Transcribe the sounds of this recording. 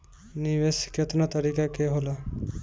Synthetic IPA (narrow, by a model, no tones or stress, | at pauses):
niʋesi̥ket̪nat̪əɾikakeɦola